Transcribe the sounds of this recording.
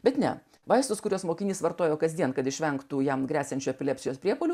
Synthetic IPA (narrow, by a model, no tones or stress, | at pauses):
bʲɛt̪nʲɛ | ʋɐɪst̪ʊskʊɾʲuːsmoːkʲɪnʲiːsʋɐɾt̪oːjoːkɐzd̪ʲiɛnkɐt̪ɪʃʲʋʲɛŋkt̪uːjɛmɡɾʲæːsʲɛnʲt͡ʃʲuːɛpʲɪlʲɛpʲsʲɪjoːspʲɾʲiɛpoːlʲuː